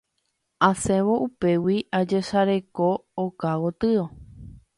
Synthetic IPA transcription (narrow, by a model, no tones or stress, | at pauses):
asẽ̞ʋo̞ʔupe̞wiʔad͡ʒe̞ʃaɾe̞ko̞ːkawot̪ɨo